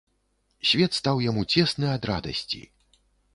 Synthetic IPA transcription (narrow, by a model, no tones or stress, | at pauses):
sʲvʲɛt̪st̪awjamut͡sʲɛsnɨɐd̪ɾa̰d̪ɐ̰sʲt͡sʲḭ